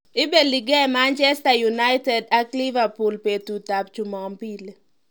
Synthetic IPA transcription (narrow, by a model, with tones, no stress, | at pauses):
ɪ˦be˨li˨ɡe˦ma˦nt͡ʃɛ˦sta˨juna˦ɪtɛ˨da˦kli˦va˨pu˨lpe˨tu˨ta˨p̚t͡ʃu˨mɔ˨mpi˦le˨